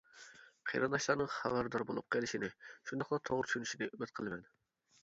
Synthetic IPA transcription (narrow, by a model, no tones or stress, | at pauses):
qʰḛɾɨnɑʃlˠɑɾnɨŋχæ̰væɾd̪ɑɾbolˠup̚qʰelɪʃinɪʃund̪ɑχlˠɑt̪ʰoʁɾtt͡ʃʰy̥ʃynyʃinɪymɪt̪̚qʰəlˠmɛn